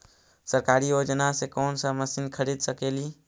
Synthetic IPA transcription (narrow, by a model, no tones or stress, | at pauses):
səɾkaːɾijoːd͡ʒnasekɔːnsəməsinkʰəɾiːd̪səkeːliː